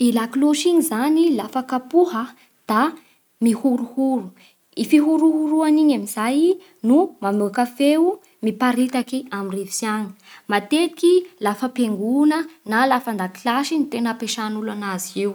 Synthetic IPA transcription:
ilakloʃiɲizanilafakapuɦə | d̪̥a | mihuɾuhuɾu | ifiɦuɾuhuɾuaniɲamizaj | numamuakafeu | mipaɾit̪akiaminrevi̥sjaŋə̥mat̪et̪ikilafəpeŋɡunənalafand̪aki̥lasinit̪enəpeʃanulanaziew

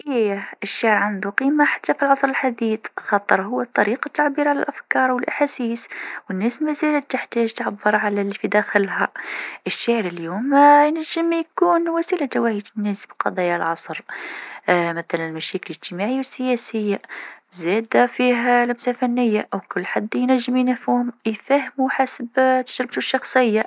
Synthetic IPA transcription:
ʔiʔəʃːaʕəɾʕand̪uqiːmaħḁt̪ːæfilʕɑsˤɾəlħad̪iːθxɑt̪ˤəɾˤɦʊwːət̪ˤːɑɾiqɑt̪ːaʕbiːɾʕalæ̰lʔæfkɑːɾˤwəlʔaħasiːswənːæsmæzælət̪əħt̪æʒt̪əʕabːəɾˤʕalælifid̪æxəlhæʔəʃːaʕɾəljumjnæʒːəmjkuːnwæsilad͡ʒ̪æwæhit̪nːæsbiqɑ̰d̪ˤɑjalʕɑsˤɾ | mæθælænəlmæʃækələʒt̪əmaʕijwəsːəjæsəjːazæd̪fiɦlæmsalfænːəjːaʔəwkʊlːħad̪ːjnæʒːəminæfuhmjfæhmuħasəbt̪ə̥ʒɾɪb̚t̪uʃːɑxsˤəjːa

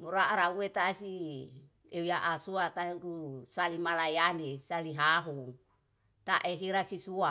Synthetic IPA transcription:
muɾaʔɾauet̪asi | eujaʔasuat̪aɾusalimalajanesaliɦaɦu | t̪aʔeɦiɾasisua

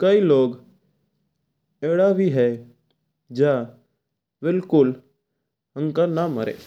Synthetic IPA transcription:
kəiloːɡ | eɽabʱiɦɛ | d͡ʒa | bɪlkʊl | əŋkanamːə̰ɾḛ

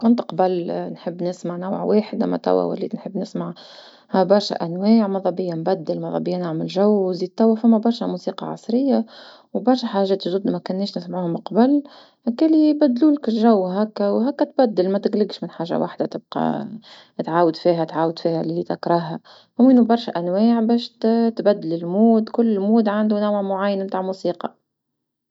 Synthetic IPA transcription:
kʊnt̪qɑbalnħəbːnɪsmaʕnawʕweːħɪd̪amæ̰t̪æ̰wæ̰wæ̰lːḭːnħəbːnɪsmaʕ | hæbɑɾˤʃæ̰ʔænwaːʕmɑðˤɑbɪjːambæd̪ːɪlmɑðˤɑbɪjːanaʕməlʒawziːd̪̚t̪ːæwːæfæmːæbɑɾˤʃæmusiːqɑ̰ʕɑ̰sˤɾɪjːa | wbɑɾˤʃæħaʒɛːt̪ʒd̪ud̪mækʊnːɛːʃnɪsmʕuːhʊmqɑbəl | hækːæːlibæd̪ːluːlkɪlʒæwːɦækːæwɦækːæt̪bæd̪ːɪlmæt̪ɪɡlɪɡʃmɪnħaːʒa̰wa̰ħd̪at̪ɪb̚qɑ̰ | t̪ʕaːwəd̪fiːɦæt̪ʕaːwəd̪fiːhællːit̪ɪkɾˤɑæ | ʔʊmiːnubɑɾˤʃæʔænwaːʕbɛːʃt̪bæd̪ːɪlɪlmuːd̪kʊlːɪlmuːd̪ʕand̪unawʕmʊʕajːənmt̪aːʕmusiːqɑ

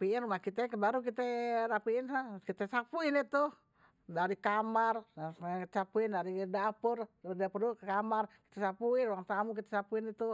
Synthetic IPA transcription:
apiɪnrumahkit̪ɛkəbaɾukit̪ɛɾapiːnsakit̪ɛsapuinit̪u | daɾikamar | t͡ʃapuindaɾidapʊrdapurdukkamarki̥t̪ɛsapuɪnuaŋt̪amuk̬it̪ɛsapuinit̪u

